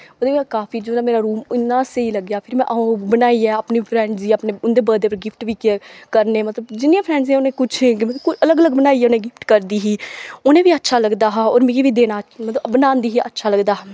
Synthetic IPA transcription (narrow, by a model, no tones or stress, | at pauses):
oːd̪eːkaːpʰiːd͡ʒoːnãːmeːɾaːɾuːmɪnːãːseiːləɡjaːpʰɪɾmɛ̰̃ːʔbənaːiːɛːapniːpʰɾɛ̃ːɳɖziːəpneːʊnd̪eːbəːd̪eːpəɾɡɪpʰʈʋiːkkəɾneːmət̪ləbd͡ʒɪniːãːpʰɾɛ̃ːɳɖzẽːʊnẽːkʊt͡ʃʰːɡmkʊt͡ʃələɡələɡbənaːiːɦɛːʊnẽːɡɪpʰʈkəɾd̪iːɦiːonẽːʋiːətːʃʰaːləɡd̪aːɦaːoːɾmẽiʋiːd̪eːnaːmət̪ləbənãːnd̪iːɦiːʔətːʃʰaːləɡd̪aː